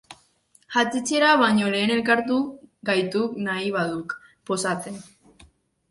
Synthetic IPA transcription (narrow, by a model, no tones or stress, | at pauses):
ʝat͡sit͡se̞ɾaβaɲo̞le̞ːne̞lkaɾt̪uɡajt̪uknaiβaðuk | po̞sat͡se̞n